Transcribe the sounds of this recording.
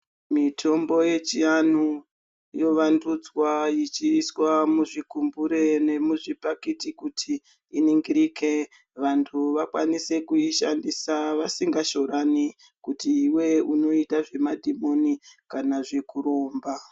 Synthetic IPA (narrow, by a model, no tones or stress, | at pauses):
mitʰo̞mbo̞je̞t͡ʃianu | jo̞ʋandud͡zwajit͡ʃiswamuʐikumbuɾe̞ne̞muʐipakitikutʰiː | niŋɡiɾike̞ | ʋantʰuʋakwanise̞kuiʃandisaʋasiŋɡaʃo̞ɾani | kutiːwe̞uno̞itaʐe̞madʱimo̞nikanaʐekuɾo̞ːmba